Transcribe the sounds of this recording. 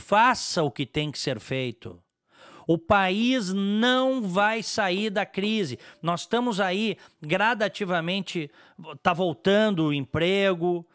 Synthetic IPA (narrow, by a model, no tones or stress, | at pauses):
fasɐʊkɪt̪ẽj̃kɪ̥seɾfejt̪ʊ̰ | ʊpaiznɐ̃w̃vajsaiɾd̪ɐkɾizɪnɔsst̪ɐ̃mʊzaiɡɾad̪at͡ʃivɐmẽnt͡ʃɪ | t̪avowt̪ɐ̃nd̪ʊẽpɾeɡʊ